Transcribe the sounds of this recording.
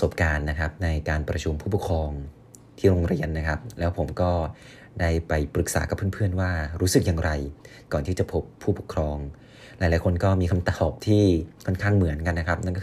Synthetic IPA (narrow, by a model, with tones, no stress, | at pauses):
so˨˩p̚kaː˧nːa˦˥kʰa˦˥p̚na˧jkaː˧npɾa̰˧t͡ɕʰu˧mpʰuː˥˩pu˨˩kʰɾɔː˧ŋ | t̪ʰiː˥˩ɾo˧ŋɾa˧˦nːa˦˥kʰa˦˥p̚lɛː˦˥wpʰo˩˦mkɔː˥˩ | daː˥˩jpa˧jpɾɯ˨˩k̚sa̰ː˩˦ka˨˩pʰːɯ˥˩pʰɯ˥˩ənwaː˥˩ɾuː˦˥sɯ˨˩k̚jaː˧ŋɾʔa˧j | kɔː˨˩nt̪ʰiː˥˩t͡ɕa˨˩pʰo˦˥pʰːuː˥˩po˨˩kʰɾɔː˧ŋ | laː˨˦laː˨˦jkʰo˧nkɔː˥˩miː˧kʰa˧mt̪a˨˩ɔː˨˩p̚t̪ʰiː˥˩kʰɔ˥˩nkʰaː˥˩ŋmɯ˨˩˦ənka˧nːa˦˥kʰa˦˥p̚na˥˩nkɔ˥